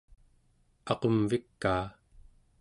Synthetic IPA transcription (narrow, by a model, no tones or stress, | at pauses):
ɑqomvikːaː